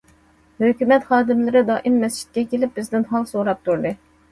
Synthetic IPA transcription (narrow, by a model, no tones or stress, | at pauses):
høkʲymɛt̪χɑːd̪ɪmlˠɪɾɪd̪ɑːʔimːɛst͡ʃʰi̥t̪̚kʲɛkʲelɪp̚bɪzd̪ɪnɦɑlˠsoɾɑp̚t̪uɾd̪ɨ